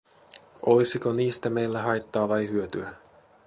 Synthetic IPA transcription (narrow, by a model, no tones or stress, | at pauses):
ojsikoniːst̪æme̞jlːæɦɑjt̪ːɑːʋɑjhyøt̪yæ